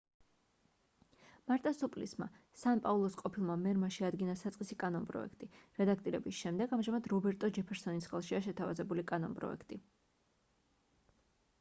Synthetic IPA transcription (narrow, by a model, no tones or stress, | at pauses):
maɾt̪ʼasupʼlisma̰ | sanpʼaulˠɔsqʼɔpʰilˠmamɛɾmaʃiad̪ɡinasat̪sqʼisikʼanɔnpʼɾɔ̰ɛ̰kʰt̪ʼiɾɛd̪ak̚ʰt̪ʼiɾɛbisʃɛmd̪ɛɡamʒamad̪ɾɔbɛɾt̪ʼɔd͡ʒɛpʰɛɾsɔnisχɛlˠʃiaʃɛt̪ʰavazɛbulikʼanɔ̰npʼɾɔ̰ɛ̰kʰt̪ʼi